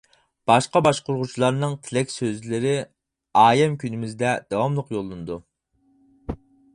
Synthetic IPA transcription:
b̥ɑʃqɑbɑʃqoɾʁut͡ʃʰilˠɑɾnɨŋt̪ʰɪlɛkʲsøzlɪɾɪ | ɑːjɛmkʲynɪmɪzd̪ɛd̪̥ɑwɑmlˠəqjolˠːɨnɨd̪u

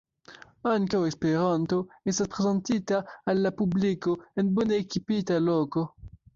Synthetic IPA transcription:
aŋkawespeɾanto̞estaspɾezentitaːlːapublikoenboneːkipitaloko

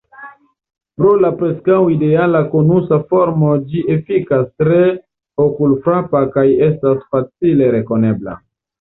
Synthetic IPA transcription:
pɾo̞lapɾe̞skawide̞alakonusafo̞ɾmod͡ʒiʔefikastɾe̞ | okulfɾapakaje̞stasfat͡sile̞ɾe̞ko̞ne̞bla̰

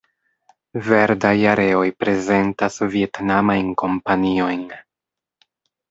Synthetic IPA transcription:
ve̞ɾdajaɾʔe̞o̞jpɾe̞ze̞ntasvie̞tnamajnko̞mpanio̞jn

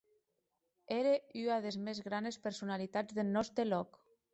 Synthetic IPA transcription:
eɾeyaðezmezɣɾanespeɾsunalit̪ad͡zzðelnɔst̪ɾelɔk

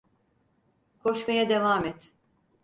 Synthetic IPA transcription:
kʰo̞ʃmajad̪e̞vaːmɛt̪

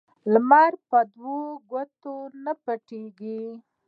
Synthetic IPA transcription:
lmɑɾpəd̪woɡwat̪onapəʈeɡi

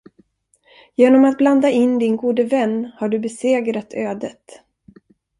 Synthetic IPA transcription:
jeːnɔmat̪̚bland̪aɪnːd̪ɪnɡuːd̪əvɛnːhaɖɵbɛseːɡɾat̪ʰøːd̪ət̪

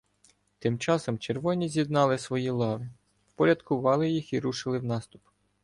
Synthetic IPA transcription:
t̪ɪmt͡ʃɑsɔmt͡ʃerʋɔnʲizʲjid̪nɑlˠɪsʋɔjilˠɑʋɪ | wpɔɾʲɐd̪kʊʋɑlˠɪjixiɾuʃɪlˠɪwnɑst̪ʊp

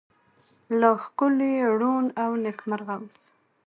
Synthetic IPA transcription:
ləxkʊleɽunawnekmaɾɣams

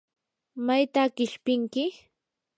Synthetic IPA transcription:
majt̪akɪʃpɪŋkɪ

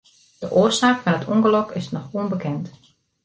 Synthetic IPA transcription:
d̥əʔoːrsaːkfɔnətʰuŋɡəlɔkʰɪsnɔxuənbəkɛnt

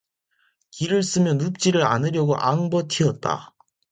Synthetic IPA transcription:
kiɾɯɭs͈ɯmjʌnup̚t͡ɕ͈iɾɯɾa̰nɯɾjʌɡoʔaŋbʌtʰiʌt̚t͈a̰

